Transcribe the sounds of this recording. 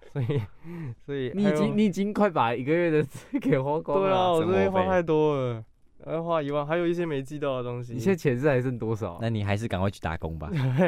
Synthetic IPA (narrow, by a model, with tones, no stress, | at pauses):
swɔ˧˥i˨˩swɔ˧˥i˨˩ni˧˩˦t͡ɕi˥ŋni˧˩i˨˩t͡ɕi˦ŋkʰwa˥˩ɪpa˨˩i˨˩ɡə˧ɥɛ˥˩d̪ə˨˩sʰɹ̩˥ke˨˩ɪxwa˥kwa˥˧e˥˩lə˨wɔ˨˧˥e˧˥xwa˥˧t̪ʰa˥˧ɪt̪wɔ˥ə˧˩ | ə˧xwa˥˧i˧˥wa˥˩ŋxa˧ɪjo˨˩ʊi˥˩ɕjɛ˥me˧˥ɪt͡ɕi˥˧t̪ɑ˥˩ʊd̪ə˩t̪o˥ŋɕ̬i˧i˨ɕjɛ˥t͡ɕʰjɛ˧˥nsɹ̩˥˩xa˧˥ɪə˥˩nt̪wɔ˥ʂɑ̰˨˩˦na˥˩ni˨˩xa˧˥ɪʂ̬ɻ̩˥˩ka˨˩ŋkwa˥˧ɪt͡ɕʰy˥˩t̪a̰˨˥ko̰˦ŋba̰˨